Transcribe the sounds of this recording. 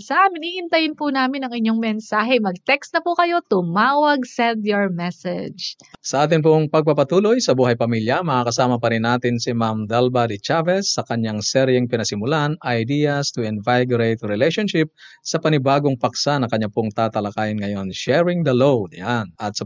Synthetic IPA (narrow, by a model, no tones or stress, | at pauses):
sɐʔaːmɪniʔɪnt̪ɐjɪnpunaːmɪnɐŋɪɲːoŋmɛnsaːɦɛmɐɡ̚t̪ɛkst̪nɐpukɐjo̞t̪ʊmaːwɐɡsɛnd̪joɹmɛsɛ̰d͡ʒ | sɐʔaːt̪ɪnp̬oŋpɐɡ̚pɐpɐt̪uːlo̞jsɐbuːhɐjpɐmiljɐmɐŋaːkɐsaːmɐpɐɾɪnːaːt̪ɪnsɪmamd̪ɛlbad̪ɪt͡ʃavɛsːɐkɐɲːaŋsɛɾjɛŋpɪnɐsɪmʊlanɐjd̪ijɐst̪ʊɪnvajɡɾejt̪ɾɪlɛjʃonʃɪp̚sɐpɐnɪbaːɡoŋpɐksanɐŋkɐɲapʊŋt̪aːt̪ɐlɐkaːjɪnŋɐjo̞nʃɛɹɪŋd̪ɐlowd̪ʔanɐt̪̚sɐ